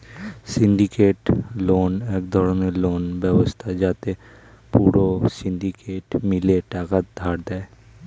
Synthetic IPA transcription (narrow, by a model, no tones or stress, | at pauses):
sɪ̃nɖ̪ɪkeːʈloːneːkd̪ʱɔːɾəneloːnbjəʋəst̪ʰad͡ʒaːt̪e | puːɾosɪ̃nɖikeːʈmɪleʈaːkət̪̚d̪ʱaːɾd̪aɛ